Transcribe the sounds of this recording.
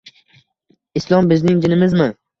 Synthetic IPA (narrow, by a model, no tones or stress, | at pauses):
ɪslˠɒmbɪznɪŋd͡ʒɪnɪmɪzmɪ